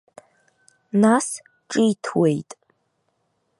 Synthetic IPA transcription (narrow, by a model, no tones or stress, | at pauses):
nas | ʈ͡ʂʼijtʰwejtʼ